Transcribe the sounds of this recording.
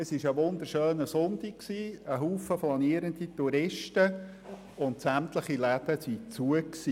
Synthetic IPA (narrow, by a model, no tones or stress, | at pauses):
əsɪʃəʋʊnd̪əɾʃœːnəsʊntikksiːəɦuːfəflɑniəɾənd̪ituɾɪʃtə | ʊntsæmtləχilæd̥̪əsit͡suəksiː